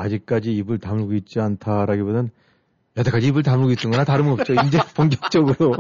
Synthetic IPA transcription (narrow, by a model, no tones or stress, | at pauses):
ad͡ʑik̚k͈ad͡ʑiːbɯɭtamɯɭɡoit̚t͡ɕ͈iantʰaɾaɡibodʌn | jʌtʰak͈ad͡ʑiːbɯɭtamɯɭɡois͈ɯŋɡʌnataɾɯmʌp̚t͡ɕ͈oind͡ʑepoŋɡjʌk̚t͡ɕ͈ʌɡɯɾo